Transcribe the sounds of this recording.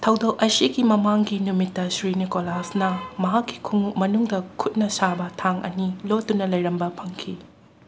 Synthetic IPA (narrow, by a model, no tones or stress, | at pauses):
tʰɐwdowʔɐjsiɡimɐmaŋɡinumitːɐsɾinikolasnɐmɐɦakːi̥kʰuŋmɐnuŋdɐkʰut̚nɐsabɐtʰaŋʔɐ̰nilotːunɐlɐjɾɐmbɐpʰɐŋkʰi